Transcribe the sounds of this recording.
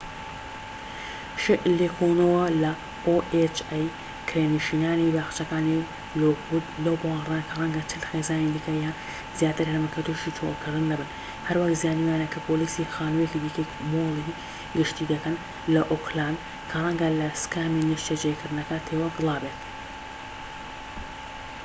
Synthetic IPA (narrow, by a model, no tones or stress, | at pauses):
ʃlekʰonɐwɐlɐ | oʔet͡ʃaj | kʰɾeːniʃiːnaːnibaːxt͡ʃɐkaːni | lout̪lowboraːnkʰɐrˤɐŋɡɐt͡ʃʰɨlxeːzaːnid̪iːkʰajaːn | zjaːt̪ɨɾhɐmɐkʰɐt̪uʃit͡ʃʰo̰lkʰɨɾd̪ɨnːɐbɨn | hɐɾwakzijaːnijaːnɐkʰɐpʰoːliːsixaːnuwjekid̪ikɐjmolˠi | ɡɨʃt̪id̪ɐkɐn | lɐʔokʰlaːn | kʰɐrˤɐŋɡɐlɐskaːminiʃt͡ʃed͡ʒejkɨɾd̪nɐkɐt̪ʰewɐɡɨlˠaːbet̪̚